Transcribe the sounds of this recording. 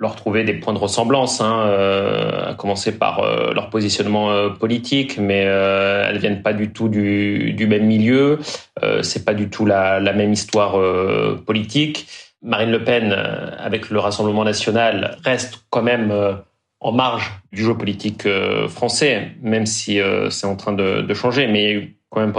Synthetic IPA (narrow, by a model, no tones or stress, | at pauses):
ləʁt̪χuved̪epwɛ̃d̪əʁəsɑ̃blɑ̃sɛ̃ø | a̰kɔmɑ̃sepa̰ʁø̰lœ̰ʁpozisjɔnmɑ̃øpɔlit̪ʰikmɛøɛ̰lvjɛnpad̪yt̪ud̪yd̪ymɛmːiljøø̰sɛpad̪yt̪ʰulalamɛmist̪waʁøpɔlit̪ik | maʁinləpɛn̰a̰vɛkləʁasɑ̃bləmɑ̃nasjɔnalʁɛst̪kɑ̃mɛmø | ɑ̰̃maʁʒd̪yʒøpɔlit̪ikø̰fχɑ̃sɛmɛmsiø̰sɛt̪ɑ̃t̪χɛ̃d̪ə̰d̪əʃɑ̃ʒemɛkɑ̃mɛmp